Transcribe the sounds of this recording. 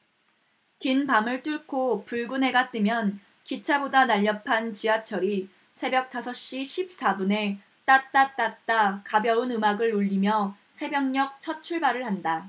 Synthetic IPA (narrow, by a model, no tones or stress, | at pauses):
kinpamɯɭt͈uɭkʰopuɭɡunɦe̞ɡat͈ɯmjʌn | kit͡ɕʰabodanaʎːʌpʰant͡ɕiɦat͡ɕʰʌɾi | sʰe̞bjʌk̚t͈ʰasʰʌɕ͈iɕʰip̚s͈abune̞ | t͈at͈at͈at̚t͈akabjʌɯnɯmaɡɯɭuʎːimjʌ | sʰe̞bjʌŋɲʌk̚t͡ɕʰʌt͡ɕʰuɭbaɾɯɭhanda